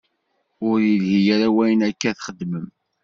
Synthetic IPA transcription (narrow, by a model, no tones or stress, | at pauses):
ʊɾjilɦijaɾawæjənækːæθχəd̪ːməm